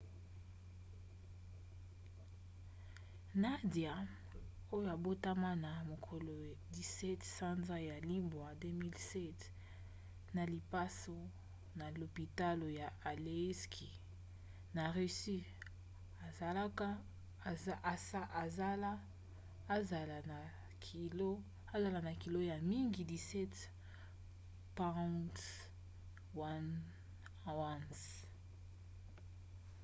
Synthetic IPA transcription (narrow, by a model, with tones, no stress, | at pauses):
na˦dja˨ | o˦jo˨a˨bo˦ta˦ma˦na˨mo˨kʰo˨lo˨di˨sɛ˦tsa˦nza˦ja˨li˦bwa˨de˦mi˦lsɛ˦t | na˨li˨pa˦so˦ | na˨lo˨pi˨ta˦lo˨ja˨a˨le˨˦skʰi˨ | na˨ʁy˨si˦ | a˨za˨la˦ka˦ | a˨sa˦ʔa˨za˦la˦ | za˨la˨a˨ | lo˦ | a˨za˨la˨na˨ki˨lo˦ja˨mi˦ŋɡi˨di˨sɛ˦t | pa˦t | wa˦n | a˨wã˦ns